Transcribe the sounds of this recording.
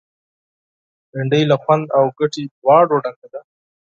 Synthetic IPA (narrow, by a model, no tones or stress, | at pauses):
beɳɖəjlaxwand̪awɡaʈiwɑːɖoɖaŋk̪ad̪a